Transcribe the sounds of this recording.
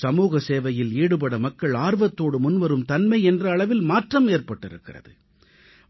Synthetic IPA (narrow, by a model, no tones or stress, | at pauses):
sɐmuːɣɐseːʋɐjɪliːɽɯp̬ɐɽɐmɐkːɐɭaːɾʋɐt̪ːoːɽɯmʊnʋɐɾɯmt̪ɐnmɐɪɛndrɐːɭɐʋɪlmaːʈrɐmeːrpɐʈːɪɾɯkːɪrɐ̰ðɯ